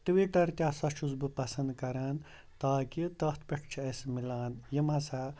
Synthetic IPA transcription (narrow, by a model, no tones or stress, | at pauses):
ʈ̪ɨʋiʈɐɾt̪ʲjaːsɐt͡ʃʰuzbɨpɐsɐnd̪kɐɾaːn | t̪aːkit̪ɐht̪ʰpɐʈʰt͡ʃʰiɐsmilaːnjimɐsa